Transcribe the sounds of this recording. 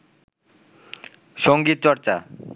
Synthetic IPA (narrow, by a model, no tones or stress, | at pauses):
ʃoŋɡit̪̚t͡ɕɔɾt͡ɕa̰